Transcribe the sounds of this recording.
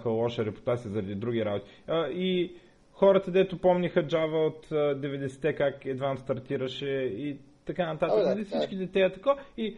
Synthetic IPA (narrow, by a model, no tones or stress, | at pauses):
xəlˠɔʃəɾɛpʊ̥t̪at̪sizɐɾɐd̪id̪ɾuɡ̟ʲiɾabot̪i̥ | əi | xɔɾət̪əd̪ɛt̪ʊpɔmnixəd͡ʒavəot̪ːd̪ɛvɛd̪ɛsɛ̥t̪ɛkakɛd̪vanst̪ɐɾt̪iɾəʃɛi | t̪ɐkanɐt̪at̪əkzɐlifsit͡ʃkid̪ɛt̪ɛət̪ɐkoi